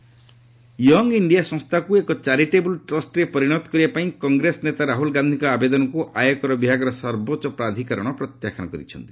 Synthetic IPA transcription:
jɔŋɡiɳɖijasɔ̃ŋst̪ʰakuekɔt͡ʃaɾiʈebulʈɾɔsʈɾepɔɾiɽ̃ɔt̪ɔ̥kɔɾibapaĩkɔŋɡɾesɔnet̪aɾaɦulɡand̪ʱĩkɔabed̪ɔnɔkuʔajɔkɔɾɔbibʱaɡɔɾɔsɔɾbot͡ʃɔpɾad̪ʱikaɾɔɽ̃ɔpɾɔt̪jakʰañɔkɔɾḭt͡ʃʰɔnt̪i

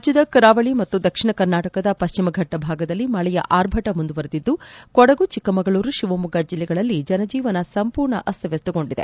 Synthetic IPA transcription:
d͡ʒjud̪ɐkɾaːʋɐɭimɐt̪ːud̪ɐkʂiɳɐkɐɾnaːʈɐkɐd̪ɐpɐʃt͡ʃimɐɡʱɐʈːɐbʱaːɡɐd̪ɐlːimɐɭɛjɐ̰ʔaːɾbʱɐʈɐmund̪uʋɐɾɐd̪id̪ːukɔɽɐɡut͡ʃikːɐmɐɡɐɭuːɾuʃiʋɐmuɡaːd͡ʒilːɛɡɐɭɐlːid͡ʒɐnɐd͡ʒiːʋɐnɐsɐmpuːɾɳɐ̰ʔɐst̪ʰɐʋest̪uɡo̞ɳɖid̪e

